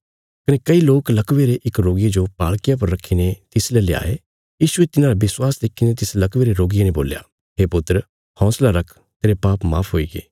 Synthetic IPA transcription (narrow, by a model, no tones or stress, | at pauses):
kɐnekɐiloːklɐkʋeɾeʔɪkɾoːɡɪed͡ʒopaːɭkɪjãpɐɾːɐkʰːinet̪ɪslɛlea̰ːe | jiːʃʊet̪ɪnãːɾabɪswaːsd̪eːkʰinet̪ɪslɐkʋeːɾeɾoːɡɪjenebo̰ːlja̰ː | ɦeːpʊt̪ɾ | hɔ̃ːslaɾɐkʰ | t̪eːɾepaːpmaːpʰɦoːiɡḛː